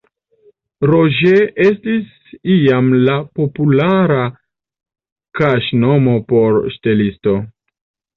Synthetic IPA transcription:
ɾoʒeʔe̞stis | iamlapo̞pulaɾa | kaʃno̞mo̞po̞ɾʃte̞listo̞

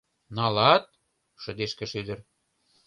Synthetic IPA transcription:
nɑlɑt̪̚ | ʃə̆d̪eʃkĕʃyd̪ə̆r

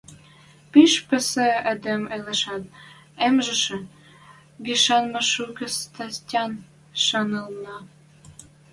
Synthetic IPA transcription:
piʃpɘ̆sĕed̪ĕmelĕʃɑt̪̚ | emʒə̆ʃɘ̆ | ɡiʃɑnmɑʃukə̆st̪ɑstʲɑn | ʃɑnəlnɑ

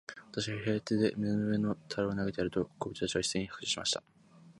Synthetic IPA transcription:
βat̪aɕiɡaɦe̞ːt̪eːd̪e̞mʲinonoeno̞t̪ʰaɾoːnaɡet̪ejaɾɯ̟t̪o̞kʰobɯ̟t͡ɕi̥t̪at͡ɕiβai̥sẽɲ̟ihḁkɯ̟ɕi̥ɕima̰ɕi̥t̪a

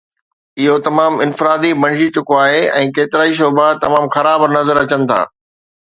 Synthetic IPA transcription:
ɪɦot̪ɐmaːmɪnfɪɾaːd̪ibɐ̃ɳd͡ʑit͡ɕʊkoaːɦeɛ̃ːkeːt̪ɪɾaːiʃ̬oːbat̪ɐmaːmxɐɾaːbnɐzəɾɐt͡ɕənɪ̆t̪ʰa̰ː

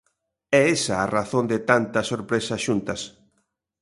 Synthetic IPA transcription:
ɛesɐːraθond̪ɪt̪ant̪ɐsoɾpɾesɐʃunt̪ɐs

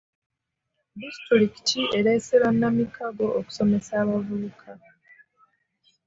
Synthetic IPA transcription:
distɾiki̥tʰiʔe̞ɾe̞ːseɾanːamikʰaɡo̞ʔoku̥so̞me̞saːβavuukʰa

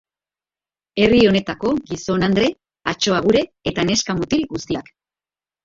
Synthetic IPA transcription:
e̞rio̞ne̞t̪ako̞ɣiso̞nand̪ɾe̞ | at͡ʃo̞aɣuɾe̞ːt̪ane̞skamut̪ilɡust̪iak

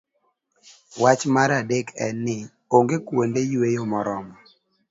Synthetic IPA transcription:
wat͡ʃmaɾadekɛ̰nːɪ | oŋɡekwondejwejomɔɾɔmɔ

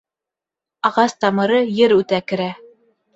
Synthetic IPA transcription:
ɑʁɑst̪ɑmɤ̆ɾɤjɘɾʉt̪ækɘ̆ɾæ

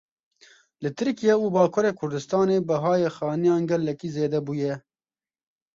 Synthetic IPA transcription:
lɨt̪ʰɨɾkijɛubɑːkʰʊɾeːkʰʊɾd̪ɨst̪ɑːneːbɨɦɑːjeːxɑːnijɑːnɡɛlːɛkiːzeːd̪ɛbuːjɛ

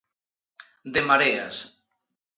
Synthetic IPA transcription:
d̪emaɾea̰s

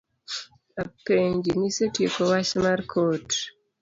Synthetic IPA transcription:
apeɲd͡ʒinisetjekowat͡ʃmarkʰot

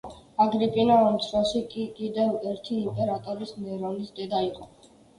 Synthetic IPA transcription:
aɡɾipʼinaɔmt̪sʰvaʃikʼikʼid̪ɛvɛɾt̪ʰiːmpʼɛɾat̪ʼɔɾismɛɾɔnisd̪ɛd̪aiqʼɔ

